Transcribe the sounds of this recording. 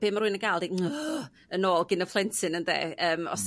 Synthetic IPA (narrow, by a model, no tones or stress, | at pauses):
b̥eːmarɾuɨnənɡaːlˠdiə | ənoːlˠɡɪnəflˠɛntʰɨnəndḛːʔəːmɔ̰s